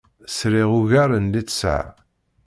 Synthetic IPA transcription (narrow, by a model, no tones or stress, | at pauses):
sɾiʁʊʝaɾənd̪it͡sːsə̰ʕ